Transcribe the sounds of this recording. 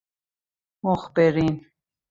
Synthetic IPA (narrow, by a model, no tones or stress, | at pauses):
mɔχbɛɾin